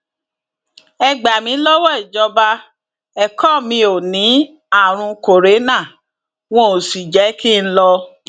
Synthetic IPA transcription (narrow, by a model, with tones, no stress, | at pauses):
ɛ˧ɡ͡ba˨mĩ˨˦lɔ˦wɔ˦i˨d͡ʒɔ˧ba˧ | ɛ˨kɔ˦˨mĩ˧o˨nĩ˨˦ | a˦˨ɾ̃ũ˧ko˨ɾe˨˦nã˦˨ | w̃ɔ̃˦o˨si˨d͡ʒɛ˨˦ki˦n̩˦lɔ˧